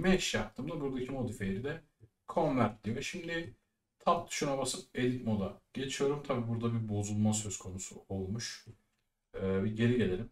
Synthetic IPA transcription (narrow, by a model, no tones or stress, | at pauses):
mɛʃjap̚t̪ʰɯːmd̪abuɾd̪acʰimo̞d̪ifejeɾid̪ɛ | kʰo̞nvæɾt̪lʲijoɛʃimd̪i | t̪ʰapt̪ʰɯ̥ʃunabasɯp̚e̞lʲit̪ʲmo̞d̪aɟ̥e̞t͡ʃʰijo̞ɾumt̪ʰabiːbuɾd̪abibo̞zulˠmasø̞z̥kʰo̞nusṵo̞lˠmuʃ | biɟe̞ɾiɟe̞lʲe̞ɾʲim